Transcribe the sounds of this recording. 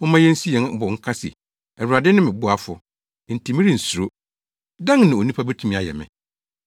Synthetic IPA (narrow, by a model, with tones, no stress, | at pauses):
ɔ˦mã˦jɛ̃˦n̩˦si˦jɛ̃˨˦n˦bɔ˨˦ŋ̩˦kʰa˦sɪ̰˨ | ɛ˨wu˨ɾa˨dɪ˦nɪ̃˦mɪ̃˨bʊ˦a˨fʊ̰˨ | n̩˨tʰi˨mɪ̃˦ɾɪ̃˦n̩˨su˨ɾo˦ | dã˦ŋnɪ̃˨o˨nĩ˦pʰa˦bɛ˦tʰu˦mĩ˦a˨jɛ̰˨mɪ̰̃˨